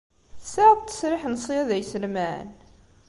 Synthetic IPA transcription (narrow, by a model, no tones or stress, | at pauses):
θsæðt̪ːə̥sɾɪħnəsˤiæðæjsəlmæ̰n